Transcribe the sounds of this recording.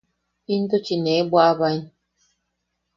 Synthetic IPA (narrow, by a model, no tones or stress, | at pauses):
ind̪ot͡ʃinebwaʔβain